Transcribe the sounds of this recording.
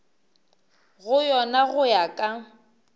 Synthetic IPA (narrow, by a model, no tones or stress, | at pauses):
ɣʊjɔnaɣʊjakʼa